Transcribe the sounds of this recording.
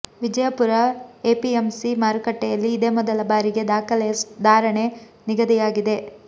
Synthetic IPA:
ʋid͡ʒɐjɐpuɾɐeːpiemsimaːɾukɐʈːɛjɐlːiːd̪eːmɔd̪ɐlɐbaːɾiɡe̞d̪aːkʰɐlɛɐd̪aːɾɐɳe̞ | niɡɐd̪ijaːɡid̪e̞

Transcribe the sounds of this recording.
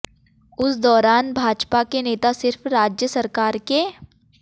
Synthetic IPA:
ʊsd̪ɔːɾaːnbʱaːd͡ʒpakeneːt̪asɪɾfɾaːd͡ʒjəsɐɾkaːɾke

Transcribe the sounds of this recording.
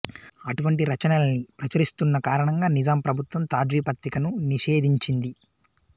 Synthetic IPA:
ɐʈuʋɐɳʈiɾɐt͡ʃɐnɐlɐnipɾɐt͡ʃɐɾist̪unːɐkaːɾɐɳɐŋɡaːnid͡ʒaːmpɾɐbʱut̪ʋɐmt̪aːd͡ʒʋiːpɐt̪ɾikɐnuniʃe̞ːd̪iɲt͡ʃind̪i

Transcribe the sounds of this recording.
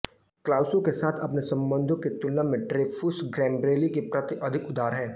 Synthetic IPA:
klaːʊsõkesaːt̪ʰɐpnesɐ̃mbə̃nd̪ʱõket̪ʊlnamẽɖɾeːfʰʊsɡɾɛ̃ːmbɾeːlikepɾɐt̪iʔɐd̪ʱɪkʊd̪ʱaːɾɦɛː

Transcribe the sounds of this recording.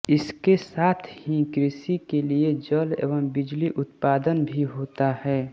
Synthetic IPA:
ɪskesaːt̪ʰhikɾɪsikelied͡ʒəlḛːʋəmbɪd͡ʒliʔʊt̪paːd̪ənbʱiɦoːt̪ahɛː

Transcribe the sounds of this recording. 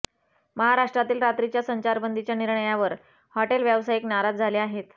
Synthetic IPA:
məɦaɾaʂʈɾat̪iːlɾat̪ɾit͡ɕjasəɲt͡ɕaɾbənd̪it͡ɕjaniɾɳəjaʋəɾ | hɔʈelʋjaʋsajiknaɾad͡zd͡zʱaleaɦet̪

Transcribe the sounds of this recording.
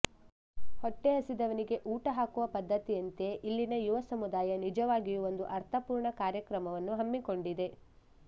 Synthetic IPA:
hoʈːeɐsid̪ɐʋɐniɡe̞ʔuːʈɐɦaːkuʋɐpɐd̪ʱːɐt̪ijɐnt̪e̞ʔilːinɐjuʋɐsɐmud̪aːjɐnid͡ʒɐʋaːɡijuo̞nd̪uʔɐɾt̪ʰɐpuːɾɳɐkaːɾjɐkɾɐmɐʋɐnːuɦɐmːiko̞ɳɖid̪e̞

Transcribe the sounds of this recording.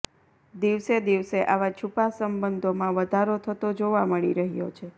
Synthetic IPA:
d̪iʋsed̪iʋseʔaʋat͡ʃʰupasəmbənd̪ʱomãʋəd̪ʱaɾot̪ʰət̪od͡ʒoʋaməɭiɾəɦjo̰t͡ʃʰe

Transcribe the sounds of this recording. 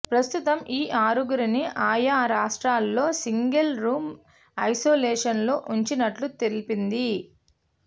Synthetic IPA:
pɾɐst̪ut̪ɐmʔiːʔaːɾuɡuɾiniʔaːjaːɾaːʂʈɾaːlːo̞ːsiŋɡelɾuːm | ɐjsoːlɛːʂɐnloːʔuɲt͡ʃinɐʈlut̪elipind̪i

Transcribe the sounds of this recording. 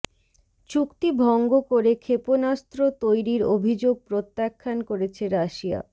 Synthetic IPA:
t͡ɕukt̪ibʱɔŋɡokoɾekʰeponast̪ɾot̪ojɾiɾobʱid͡ʑoɡ̚pɾot̪ːakʰːankoɾet͡ɕʰeɾaʃia̰

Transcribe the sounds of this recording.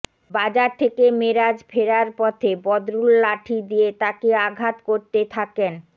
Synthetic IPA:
bad͡ʑaɾt̪ʰekemeɾad͡ʑfʰeɾaɾpɔt̪ʰebɔd̪ɾulːaʈʰid̪ijet̪akeaɡʱat̪koɾt̪et̪ʰaken

